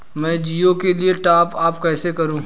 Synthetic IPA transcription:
mɛ̃ːd͡ʒiːokelieʈaːpaːpkɛːsekɐɾũː

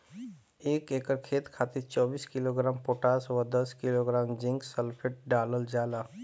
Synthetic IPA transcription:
eːkeːkəɾkʰeːt̪kʰaːt̪ɪt͡ʃɔːbiːskɪloːɡɾaːmpoːʈaːsʋad̪ɐskɪloɡɾaːmd͡ʒɪ̃ŋksəlpʰɪʈ̚ɖaːləld͡ʒaːlaː

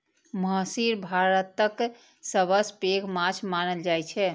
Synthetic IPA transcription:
məsiɾbʱaɾət̪ək | səβəspeɡmat͡ʃʰmanəld͡ʒajt͡ʃʰɛ

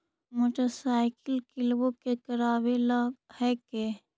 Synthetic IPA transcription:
moːʈəɾsaːɪkɪlkɪlbokekəɾaːbelaɡhɛke

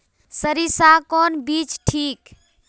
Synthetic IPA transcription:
səɾisakɔnbit͡ʃʈʰik

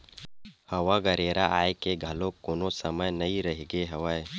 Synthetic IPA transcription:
hɐwaɡɐɾeːɾaʔaːekeɡʱɐlõkoːnõsɐməjnɐiɾɐɦiɡeɦɐwae

